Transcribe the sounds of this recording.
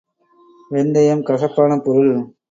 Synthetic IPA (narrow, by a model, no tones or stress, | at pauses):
ʋɛnd̪ɐjɐmkɐsɐpːaːnɐpɔɾɯɭ